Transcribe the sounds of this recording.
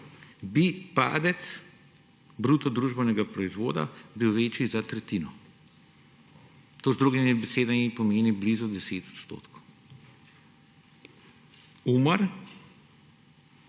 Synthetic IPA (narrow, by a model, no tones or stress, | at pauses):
bipa̰ːd̪ɛt̪s | bɾut̪ɔd̪ɾuːʒbɛnɛɡapɾɔizʋo̰ːd̪a̰biwʋeːt͡ʃizat̪ɾɛt̪iːnɔ | t̪ozd̪ɾuɡimibɛseːd̪anipɔmeːniblizud̪ɛseːt̪ɔ̥t̪st̪o̰ːt̪kow | uməɾ